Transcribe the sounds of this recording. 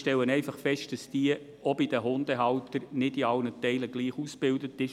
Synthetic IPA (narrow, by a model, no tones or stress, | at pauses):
ʃtɛlːənɛɪfɑχfɛʃtd̥ɑsd̥iə | ɔbid̥əɦʊnd̥əɦɑwtəɾnɪdiɑlnətɛɪləɡ̥liːχusb̥ɪldətɪʃ